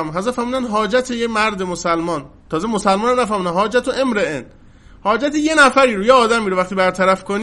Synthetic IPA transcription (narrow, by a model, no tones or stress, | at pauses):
mɦæzɑːfæɾmuːd̪ænd̪ɦɒːd͡ʒæt̪ʰejemæɾd̪emosælmɒːnt̪ʰɒːzemosælmɔːnænæfæɾmuːd̪ænɦɒːd͡ʒæt̪ʰoʔemɾeen | hɒːd͡ʒæt̪ʰije̞næfæɾiːɾujeɒːd̪æmiːɾoæxt̪ibæɾt̪ʰæɾæfkʰoniː